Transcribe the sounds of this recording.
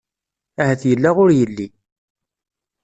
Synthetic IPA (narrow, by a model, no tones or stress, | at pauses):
æhæθjəlːaʁʊɾjəlːi